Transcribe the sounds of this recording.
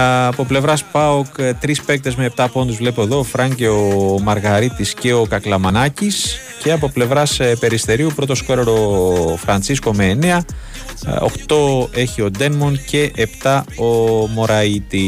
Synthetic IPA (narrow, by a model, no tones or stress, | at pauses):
ɐpo̞ple̞vɾɐspɐokt̪ɾispe̞k̚t̪e̞zmeep̚t̪ɐpo̞nd̪uzvle̞poðo̞ːfɾɐɲɟeomɐɾɣɐɾit̪isce̞o̞kɐklɐmɐnɐcis | ce̞ɐp̬o̞ple̞vɾɐspe̞ɾist̪e̞ɾiupɾo̞t̪o̞skoɾeɾo̞fɾɐnt͡sisko̞meːneɐ | o̰xt̪o̞e̞çio̞d̪e̞nmonce̞ʔept̪ɐo̞mo̞ɾɐit̪i